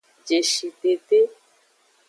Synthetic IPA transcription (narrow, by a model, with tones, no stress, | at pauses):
d͡ʒe˨ʃi˨t̪e˨t̪e˦